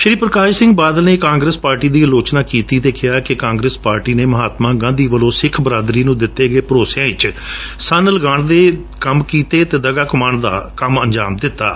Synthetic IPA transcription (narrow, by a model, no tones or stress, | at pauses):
ʃɾiːpɾəkaːʃsɪ̃ŋɡbaːd̪əlneːkãːŋɡɾeːspaːɾʈiːd̪iːəloːt͡ʃnaːkiːt̪iːd̪eːkʰɪjaːkekãːŋɡɾeːspaːɾʈiːneːməɦaːt̪mãːɡãːd̪iːʋəlõːsɪkʰbəɾaːd̪ɾiːnũːd̪ɪt̪ːeːɡeːpəɾoːsjãːɪt͡ʃsənləɡaːɳd̪eː | kəmkiːt̪eːt̪eːd̪əɡaːkʊmaːɳd̪a̰ːkəməɲd͡ʒaːmd̪ɪt̪ːa̰ː